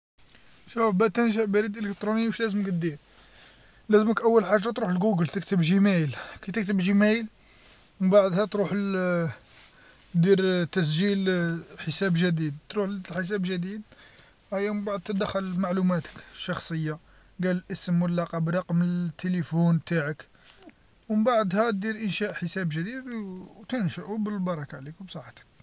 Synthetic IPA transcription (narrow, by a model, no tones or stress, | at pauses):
ʃufbæt̪ənʒəʕbæɾid̪ʔələkt̪ɾuniwəʃlæzəməkt̪d̪iɾ | læzəməkʔəwːəlħaʒːɑt̪ɾuħəlɡuɡəlt̪ək̚t̪əbʒimæjlkæt̪ək̚t̪əbʒimæjl | baʕd̪hæt̪ɾuħ | d̪iɾt̪æs̬ʒilħəsæbʒəd̪id̪̚t̪ɾuħlħəs̬æbʒəd̪id̪ | ʔæjːæmbaʕd̪̚t̪əd̪əxːəlmaʕlumæt̪ə̥kʃːɑxsˤəjːa | ɡæləlʔəsəmwəlːɑqɑbɾˤɑqmət̪ʰːelifunt̪aʕək | wəbaʕd̪hæt̪̚d̪iɾʔənʃæʔħəsæbʒəd̪id̪wt̪ənʃəʔubəlbɑɾˤɑkaʕlikbsˤɑħt̪ə̥k̚